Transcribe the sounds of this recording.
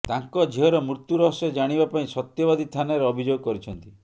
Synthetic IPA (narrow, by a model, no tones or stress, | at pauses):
t̪aŋkɔd͡ʒʱiɔɾɔmɾit̪juɾɔɦsɔd͡ʒaɽ̃ibapaĩsɔt̪jɔbad̪it̪ʰanɔɾɔbʱid͡ʒoɡɔkɔɾit͡ʃʰɔnt̪i